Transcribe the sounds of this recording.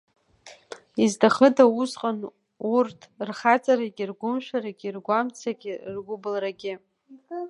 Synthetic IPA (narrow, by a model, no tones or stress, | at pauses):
izdaχədauzqʼan | urtʰrχat͡sʼaɾaɡʲirɡʷʊmʃᶣaɾaɡʲirɡʷamt͡sʰaɡʲirɡʷʊbɨlraɡʲɪ